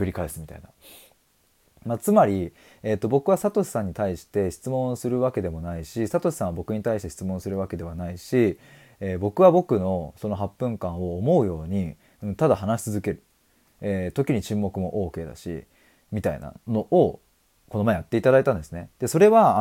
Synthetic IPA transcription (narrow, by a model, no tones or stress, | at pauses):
kɯ̟ɾʲikaesɨmʲit̪a̰ina | mat͡sɨmaɾʲi | e̞t̪ːo̞bo̞kɯ̟βasat̪o̞ɕi̥sãɲ̟ːit̪aiɕi̥t̪e̞ɕi̥t͡sɨmõ̞ɰ̃sɨɾɯ̟βake̞d̪e̞mo̞naiɕisat̪o̞ɕi̥sãɰ̃abo̞kɯ̟ɲ̟it̪aiɕit̪e̞ɕi̥t͡sɨmõ̞ɰ̃sɨɾɯ̟β̞ake̞d̪e̞β̞anaiɕi | eːbo̞kɯ̟βabo̞kɯ̟no̞so̞no̞ɦapːɯ̟̃ŋkãɰ̃o̞ːmo̞ɯ̟jo̞ːɲ̟i | ɯ̟̃t̪ad̪ahanaɕi̥t͡sɨzɨke̞ɾɯ̟ | et̪o̞kʲiɲ̟it͡ɕɨ̃mːo̞kɯ̟mo̞ʔo̞ːke̞ːd̪a̰ɕḭ | mʲit̪aḭna̰no̞ʔo | ko̞nomaejat̪ːe̞it̪ad̪ait̪ãnd̪e̞sɨne̞d̪̥e̞so̞ɾe̞βa